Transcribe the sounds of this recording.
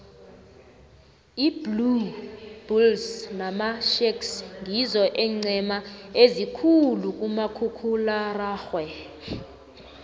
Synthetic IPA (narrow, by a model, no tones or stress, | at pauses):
iblub̥ulsnamaʃeksŋizɔʔɛŋ͡ǀɛmaezikʰuluk̬ʼumakʰukʰularaːxwɛ